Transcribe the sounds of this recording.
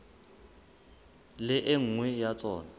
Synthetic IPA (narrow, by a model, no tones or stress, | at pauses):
lɪʔɪŋ̩ŋwɛjat͡sʼɔːna